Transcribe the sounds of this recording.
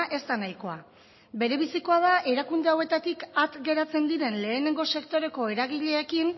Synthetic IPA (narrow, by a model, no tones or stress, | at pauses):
ʔe̞st̪anajko̞a | be̞ɾe̞βisiko̞að̞aʔe̞ɾakund̪e̞awe̞t̪at̪ikat̪ɡe̞ɾat͡se̞nd̪iɾe̞nle̞ːne̞ŋɡo̞se̞kt̪o̞ɾe̞ko̞e̞ɾaɣ̞iʎe̞ːkin